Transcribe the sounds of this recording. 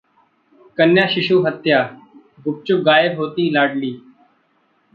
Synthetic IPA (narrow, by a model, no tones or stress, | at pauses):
kənjãːʃɪʃuːɦət̪jaː | ɡʊp̚t͡ʃʊk̚ɡaːjəɾɦoːt̪iːlaːɖliː